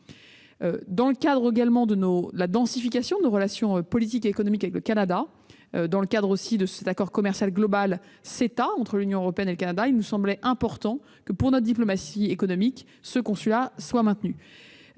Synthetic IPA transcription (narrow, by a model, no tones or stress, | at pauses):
ød̪ɑ̃ləkad̪ʁeɡalmɑ̃d̪ənod̪əlad̪ɑ̃sifikasjɔ̃d̪ənoʁəlasjɔ̃øpɔlit̪̬ikeːkɔnɔmikavɛkləkanad̪a | ød̪ɑ̃ləkad̪ʁosid̪əsɛt̪akɔʁkɔmɛʁsjalɡlɔbal | set̪aɑ̃t̪χəlynjɔ̃øʁɔpeɛneləkanad̪ailnusɑ̃blɛʔɛ̃pɔʁt̪ɑ̃ | kəpuʁnɔt̪d̪ip̬lɔmasiekɔnɔmik | səkɔ̃sylaswamɛ̃t̪ny